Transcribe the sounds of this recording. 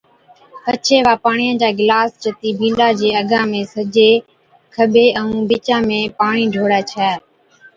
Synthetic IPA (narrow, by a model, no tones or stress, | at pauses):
pət͡ʃʰeːʋaːpaːɳiːə̃ːd͡ʒaːɡɪlaːsd͡ʒət̪iːbʱĩːɖaːd͡ʒeːəɡʱãːmẽːsəd͡ʒeː | kʰəbʱeːʔəũːbɪt͡ʃãːmẽːpaːɳiːɖʱoːɽaːt͡ʃʰɛː